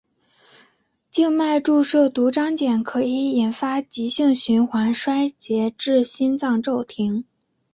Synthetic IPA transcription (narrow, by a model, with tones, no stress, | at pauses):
t͡ɕi˥˧ŋma˥˧ɪʈ͡ʂu˥˧ʂɤ˥˩t̪u˧˥ʈ͡ʂɑ˥ŋt͡ɕjɛ˨˩nkʰɤ˧˥i˧˥i˨˩nfa˥t͡ɕi˧˥ɕi˥˩ŋɕy˧˥nxwa˧˥nʂwa˥ɪt͡ɕjɛ˧˥ʈ͡ʂɻ̩˥˩ɕi˥nt͡sɑ˥˧ŋʈ͡ʂo˥˩ʊt̪ʰi˧˥ŋ